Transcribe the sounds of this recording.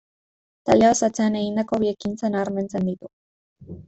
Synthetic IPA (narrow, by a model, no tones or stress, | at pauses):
t̪aʎeosat͡se̞ane̞ɣind̪ako̞βiekint͡sanaːɾme̞nt͡se̞nd̪it̪u